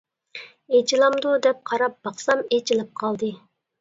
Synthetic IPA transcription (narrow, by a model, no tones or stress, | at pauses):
et͡ʃʰilˠɑmd̪ud̪ɛp̚qʰɑɾɑp̚bɑχsɑmet͡ʃʰilˠɪp̚qʰɑlˠd̪ɨ